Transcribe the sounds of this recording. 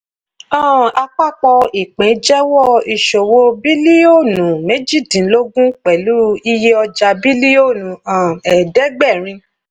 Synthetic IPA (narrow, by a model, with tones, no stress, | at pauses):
ã˦˨a˧k͡pa˦˨k͡pɔ˧i˨k͡pẽ˨˦d͡ʒɛ˦wɔ˦˨i˨ʃo˨wo˦bi˦li˦o˦˨nũ˨me˦d͡ʒi˦˨dĩ˨˦lo˦ɡũ˦k͡pɛ˨lu˨˦i˧je˦ɔ˧d͡ʒa˧bi˦li˦o˦˨nũ˨ã˨ɛ˨dɛ˦ɡ͡bɛ˦˨ɾ̃ĩ˧